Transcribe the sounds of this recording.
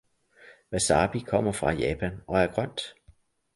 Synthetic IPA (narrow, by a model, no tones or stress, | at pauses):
ʋæsɑ̈ːb̥ikʰɒ̽m̰ɐfʁɑ̈jɛːpʰænɒ̽æɐɡ̥ʁɶn̰d̥